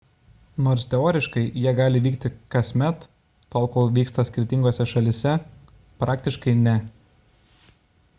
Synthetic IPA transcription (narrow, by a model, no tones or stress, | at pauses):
noːɾst̪ʲɛoːɾʲɪʃkɐɪjiɛɡɑːlʲɪʋʲiːkt̪ʲɪkɐsʲmʲɛt̪ː | oːlˠkoːlˠʋʲiːkst̪ɐsʲkʲɪɾʲt̪ʲɪŋɡoːsʲɛʃɐlʲɪsʲɛ | pɾɑːk̚t̪ʲɪʃkɐɪnʲɛ